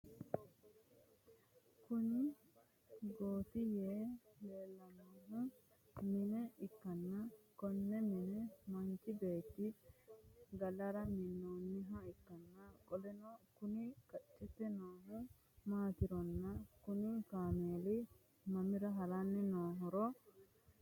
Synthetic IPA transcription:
kʊnɪ | ɡoːt̪ɪjeːleːlːɐnoːɦʊ̃ | mɪnɛɪkːɐnːɐkɔnːɛmɪnɛmɐnt͡ʃɪbe̞ːt̪ːɪ | ɡɐlɐɾɐmɪnːoːnːɪɦɐɪkːɐnːɐkʼɔlɛnokʊnɪkɐt͡ʃʼːɛt̪ːɛnoːɦʊ | maːt̪ɪɾɔnːɐkʊnɪkaːmeːlɪ | mɐmɪɾɐɦɐlanːɛnoːɦɔɾɔ

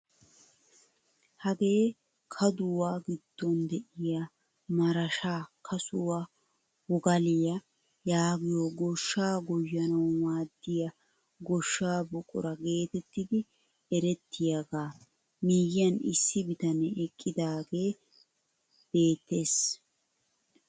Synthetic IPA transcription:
hɐɡe̞ː | kʰɐd̪ʊwaːɡɪd̪̥ːɔnd̪ɛʔɪja | mɐɾɐʃaːkʰɐsʊwa | wɔɡɐlɪjɐ | jaːɡɪjoɡɔʃːaːɡɔjːɐnɐwwaːd̪ːɪjɐ | ɡɔʃːaːbɔkʼʊ̰ɾɐɡe̞ːt̪ɛt̪ːɪd̪ɪ | ɛɾɛt̪ʰːɪjɐɡaː | miːjɪjɐnɪ̰sːɪbɪt̪ɐnɛɛkʼːɪd̪aːɡe̞ː | b̥e̞ːt̪ːe̞ːs

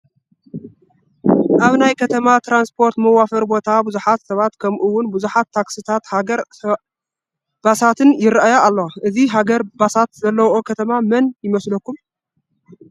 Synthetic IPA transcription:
ʔaβnajkʰɐt̪ʰɐmat̪ɾanspʰo̞ɾt̪mɐwafɐɾbo̞t̪ʰabuzuħat̪sɐβat̪kʰɐmʔuwːʊnbuzuħat̪ʰːaksɨt̪ʰat̪haɡɐɾ | b̥asat̪ʰɨnjɪɾʔajaalːoʔɨziɦaɡɐɾbasat̪zɐlːɐwokʰɐt̪ʰɐmamɐnjɪmɐslɐkːum

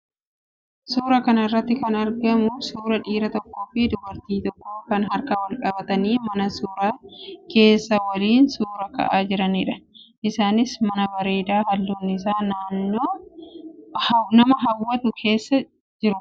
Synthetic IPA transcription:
suːɾɐkɐnɐrːɐt̪ːɪkɐnɐɾɡɐmʊsuːɾɐᶑiːɾɐt̪ɔkːoːfɪd̪ʊbɐɾt̪iːt̪ɔkːoːkɐnɦɐɾkɐwɐlkʼɐbɐt̪ɐniːmɐnɐsuːɾaːke̞ːsːɐwɐliːnsuːɾɐkɐ̰ʔaːd͡ʒɪɾɐniːᶑɐ̥ | ʔɪsaːnɪsmɐnɐbɐɾe̞ːd̪aːhɐlːuːnːɪs̬aːnaːnːoː | nɐmɐɦɐwːɐt̪ʊkʰe̞ːsːɐ | d͡ʒɪɾʊ

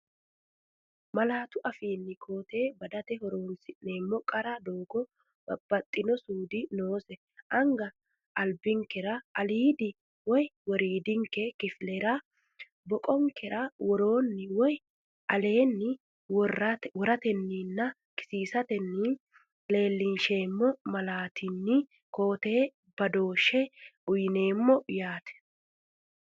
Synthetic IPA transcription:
mɐlaːt̪ʊʔɐfiːnːɪkʰo̞ːt̪e̞ːbɐd̪ɐt̪ɛhɔɾo̞ːnsɪnːeːmːɔkʼɐɾɐd̪o̞ːɡɔ | b̥ɐt̪ʼːɪnɔsuːd̪ɪnoːsɛ | ʔɐŋɡɐ | ɐlbɪŋkɛɾɐɐliːd̪ɪ | wɔjwɔɾiːd̪ɪŋkɛkɪflɛɾɐ | bɔkʼɔŋkɛɾɐwɔɾo̞ːnːɪwɔj | ʔɐle̞ːnːɪ | wɾwɔɾɐt̪ɛnːinːɐ | kɪ̥siːsɐt̪ɛnːɪ | le̞ːlːɪnʃe̞ːmːɔmɐlaːt̪ɪnːɪ | ko̞ːt̪eː | bɐd̪o̞ːʃːɛʊjɪne̞ːmːɔjaːt̪ɛ̥

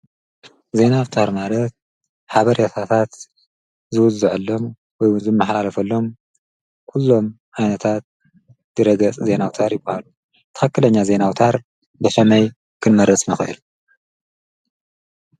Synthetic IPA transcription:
ze̞nawt̪ʰaɾmalɐt̪̚ | ħaβɐɾjat̪ʰat̪ʰat̪ | zɨwʊzɨʕɨlːo̞m | wɔjwʊnzɨmːɐħalalɐfɐlːo̞m | kʰulːo̞m | ʔajnɐt̪ʰat̪̚ | d̥ɨɾɐɡ̪ɐt͡sʼze̞nawt̪ʰaɾjɪbːahalu | t̪ʰɨ̥xɐkːɨlɐɲːaze̞nawt̪ʰaɾ | bɐʃɐmɐj | kʰɨnmɐɾɐt͡sʼmɨxʔɨ̰lu

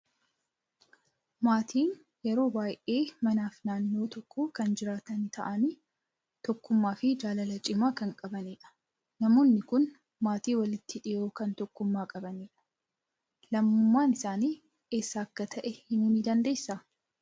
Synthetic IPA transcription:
maːt̪ʰiːn | jɛɾo̞ːbaːjʔe̞ːmɐnaːfnaːnːo̞ːt̪ɔkʰːokɐnd͡ʒɪɾaːt̪ɐnɪt̪ʰɐ̰ʔɐni | t̪ɔkːʊmːaːfɪd͡ʒaːlɐlɐt͡ʃʼɪmaːkɐŋkʼɐbɐniːᶑɐ̥ | nɐmo̞ːnːɪkʊn | maːt̪iːwɐlɪt̪ːɪᶑɪjo̞ːkɐnt̪ɔkːʊmːaːkʼɐbɐniːᶑɐ̥ | lɐmːʊmːaːnɪsaːniː | e̞ːsːaːɐkːɐt̪ʰɐʔɛhɪnuːniːd̪ɐnd̪e̞ːsːa

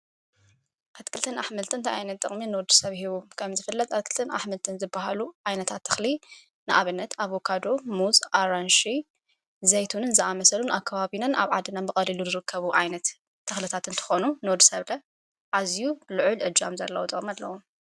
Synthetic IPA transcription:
ʔat̪kʰɨlt̪ʰɨnʔaħmɨlt̪ʰɨnt̪ʰʔa̰jnɐt̪̚ɨχʼminɨwɔd̪ːusɐβhiβukʰɐmzɨfɨlːɐt̪ʼat̪̚kʰɨlt̪ʰɨnʔa̰ħmɨlt̪ʰɨnzɨbːaɦaluʕajnɐt̪ʰat̪ʰːɐ̥xli | nɨʔaβɨnːɐt̪ʰaβokʰad̪o̞muzʼʔaɾanʃi | zɐjt̪ʰunɨnzɨʔamɐsɐlunʔakʰːaβaβinɐnʔa̰βʕad̪ɨnanbɨkʼɐliluzɨɾɨkʰːɐβuʕajnɐt̪ʰː | ɐxlɨt̪ʰat̪ɨnt̪ʰɨ̥xo̞nunɨwɔd̪usɐβlɐ | ʕazjulɨʕʊlʕɨd͡ʒa̰mzɐlːɐwut̪ʼɨχʼmialːɐ̰wom

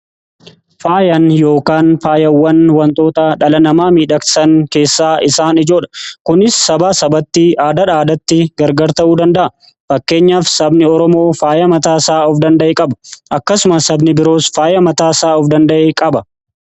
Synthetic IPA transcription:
faːjɐnjo̞ːkaːnfaːjɐwːɐnwɐnt̪ʼo̞ːt̪ɐᶑɐlɐnɐmaːmiːᶑɐksɐŋke̞ːsːaːʔɪsaːnɪd͡ʒo̞ːᶑɐ̥kʊnɪsːɐbaːsɐbɐt̪ːiʔaːd̪ɐᶑaːd̪ɐt̪ːɪɡɐɾɡɐɾt̪ɐʔuːd̪ɐnd̪ɐʔɐ | fɐkːe̞ːɲːaːfsɐbnɪɔɾɔmo̞ːfaːjɐmɐt̪aːsaːɔfd̪ɐnd̪ɐʔeːkʼɐbɐ̥ʔɐkːɐsʊmɐsɐbnɪbɪɾo̞ːsfaːjɐmɐt̪aːsaːɔfd̪ɐnd̪ɐʔeːkʼɐbɐ

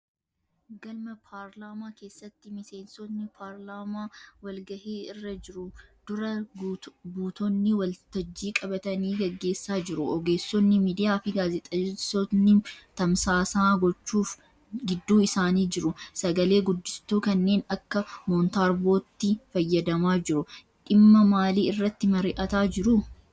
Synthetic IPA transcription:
ɡɐlmɐpʰaːɾlaːmaːke̞ːsːɐt̪ːɪmɪse̞ːnsɔnːɪpʰaːɾlaːmaːwɐlɡɐheːɪrːɐd͡ʒɪɾʊd̪̥ʊɾɐ | buːt̪ɔnːɪwɐlt̪ɐd͡ʒːiːkʼɐbɐt̪ɐniːɡɐɡːe̞ːsːaːd͡ʒɪɾʊʔɔɡe̞ːsːɔnːɪmiːd̪ɪjaːfɪɡaːzɛt̪ʼɐsɔnɪt̪ɐmsaːsaːɡɔt͡ʃːuːf | ɡɪd̪ːuːɪsaːniːd͡ʒɪɾʊsɐɡɐle̞ːɡʊd̪ːɪst̪uːkɐnːe̞ːnɐkːɐmɔːnt̪aːɾbo̞ːt̪ːɪfɐjːɐd̪ɐmaːd͡ʒɪɾʊ | ᶑɪmːɐmaːliːɪrːɐt̪ːɪmɐɾɪʔɐt̪aːd͡ʒɪɾʊ

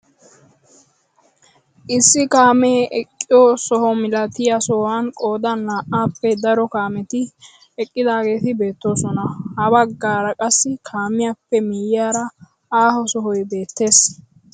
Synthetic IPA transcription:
ʔɪsːɪkaːmɛːʔɛkʼːɪjosɔhɔmɪlɐt̪ɪjɐsɔwankʼoːd̪ɐnlaːʔaːpːɛd̪ɐɾɔkaːmɛt̪ɪ | ɛkʼːɪd̪aːɡe̞ːt̪ɪbe̞ːt̪ːo̞ːsɔnɐhɐbɐɡːaːɾɐkʼɐsːɪkʰaːmɪjapːɛmɪjɪaːɾɐ | aːhɔsɔɦɔjbe̞ːt̪ːe̞ːs

